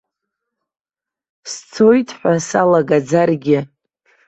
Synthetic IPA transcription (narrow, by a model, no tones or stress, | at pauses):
st͡sʰo̞jtʰʼħʷasalaɡad͡zarɡʲɪ